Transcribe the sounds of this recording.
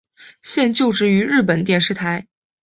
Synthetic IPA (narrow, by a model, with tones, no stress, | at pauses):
ɕjɛ˥˧nt͡ɕjo˥˧ʊʈ͡ʂɻ̩˥˩y˧˥ɻɻ̩˥˩p̬ə˨˩nt̪jɛ˥˧nʂɻ̩˥˩t̪ʰa˧˥ɪ